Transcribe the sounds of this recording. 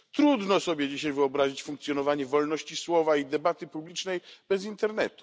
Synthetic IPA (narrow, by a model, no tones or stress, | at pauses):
t̪ɾud̪nɔsɔbʲjɛd͡ʑiɕajvɘɔbɾaʑit͡ɕfuŋk̚t̪sʲjɔnɔvaɲɛvɔlnɔɕt͡ɕiswɔvaid̪ɛbat̪ɘpublʲit͡ʂnɛjb̥ɛzint̪ɛɾnɛt̪u̥